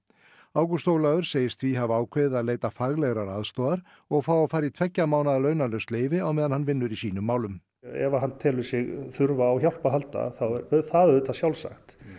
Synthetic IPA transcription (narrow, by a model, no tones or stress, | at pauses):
aːwkʏst̪owlaðʏɾ̥seːjɪst̪ʰviɦavaːwkʰveːjðɪaðleːjt̪afaɣlɛɣɾaɾaðst̪oːðaɾ̥ | ɔɣfaːwawfaːjɾit̪ʰvɛcːamaːwnaðalœɥnalœɥst̪leːjvɪawmɛːðanhanvɪnːʏɾisiːnʏmːaːwlʏm | ɛ̰vaɦanːt̪ʰɛːlʏsɪɣθʏɾvaːwçjawl̥paɦalt̪a̰θaθaðɛɾðʏt̪ʰasjawlsa̰xt̪